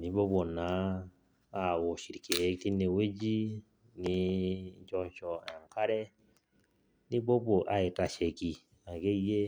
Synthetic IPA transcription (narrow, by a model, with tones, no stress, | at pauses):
ni˨˦bo˦bo˨na˨˦ | a˦˨wo˨ʃi˨ɾi˨ke˨˦ti˦ne˧˨we˦d͡ʒi˦ | ni˧˦d͡ʒɔ˧˦t͡ʃɔ˧a˨ka˦ɾe˦ | ni˦bo˦bo˨ʔa˦i˨ta˨ʃe˨ki˨ | a˨ɡe˦je˦